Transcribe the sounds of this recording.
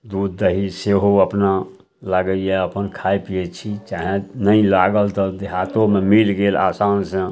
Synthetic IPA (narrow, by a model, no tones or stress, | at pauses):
d̪ud̪ːəɦiseɦoəpna | ləɡəjɛəpənkʰajpiet͡ʃʰit͡ʃaɦẽnəilaɡəlt̪ɔd̪eɦat̪omemilɡela̰sansə̃